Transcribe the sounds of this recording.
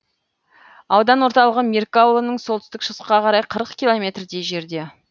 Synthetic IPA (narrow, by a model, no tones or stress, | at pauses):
ɑwd̪ɑnwo̞ɾt̪ɑlˠəʁəmʲerkowlˠonəɴsolˠt̪ɪ̥st̪ɪkʃəsqɑqʰɑɾɑjqʰəɾəqkʲijlˠo̞mʲe̞t̪rd̪e̞jʒe̞ɾd̪e̞